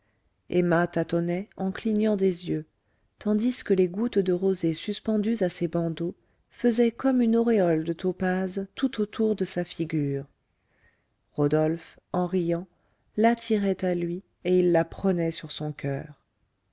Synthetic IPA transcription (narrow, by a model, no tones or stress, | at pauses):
ɛmat̪at̪ɔnɛɑ̃kliɲɑ̃d̪ezjø | t̪ɑ̃d̪iskəleɡut̪d̪əʁozesyspɑ̃d̪yzasebɑ̃d̪o | fəzɛkɔmynɔʁeɔld̪ət̪opazt̪ut̪ot̪ʰuʁd̪əsafiɡʲyːʁ | ʁɔd̪ɔlf | ɑ̃ʁijɑ̃ | lat̪ʰiʁɛt̪alɥi | eilːapχənɛsyʁsɔ̃kʰœːʁ